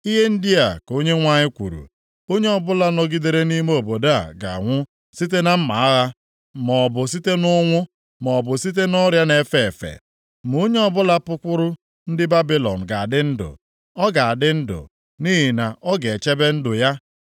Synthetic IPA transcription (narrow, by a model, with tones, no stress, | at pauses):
i˦ɦe˦n̩˦dɪ˦a˨ko˦ɲe˦ŋʷa˦ɲɪ˦kʷṵ˨ɾṵ˨ | o˦ɲe˦ɔ˨bʊ˦la˦nɔ˨ɡi˦de˨ɾe˦ni˦m˦o˨bo˨da˦a̰˨ɡa̰˨ŋʷʊ˦ | si˦t̬e˦na˦m̩˦ma˨a˦ɣa˦ | mɔ˨bʊ˨s̬i˦te˦nʊ˦ŋʷʊ˦ | mɔ˨bʊ˨si˦t̬e˦nɔ˦ɾja˦ne˨fe˦˨fḛ˨ | m˨u˦ɲe˦ɔ˦bʊ˦la˦pʊ˦kʷʊ˦ɾʊ˦ | n̩˦dɪ˦ba˦bi˦lɔ̰˨n̩˨ɡa˨a˨dɪ˦n̩˦dʊ̰˨ | ɔ˦ɡa˨a˨dɪ˦n̩˦dʊ̰˨ | ni˦ɦi˨na˨ʔɔ˦ɡe˨e˨t͡ʃe˦be˦n̩˦dʊ˨ja˦